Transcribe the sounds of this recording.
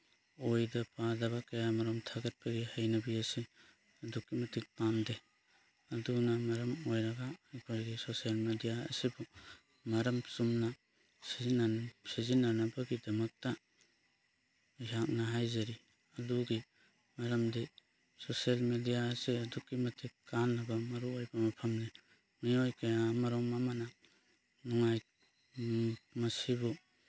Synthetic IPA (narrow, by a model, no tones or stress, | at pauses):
ojdɐpadaβakɐjamɐɾɐmtʰaɡɐt̚baɡihajnɐbiase | ɐdukːimɐtʰik̚pamde | ɐdunamɐɾɐmojɾɐɡaːjkʰaɾɡisosijalmedijaɐ̰sibu | mɐɾɐmsumna | siinsizinanabaɡidɐmɐk̚ta | ɦak̚naɦajzaɾi | aluɡi | mɐɾɐmdi | sosalmedijaːseɐdukːimɐtʰekanːɐbamɐɾuajbamɐpʰɐmni | miojkajaːmaɾɔŋmamana | nuŋaj | mɐsibu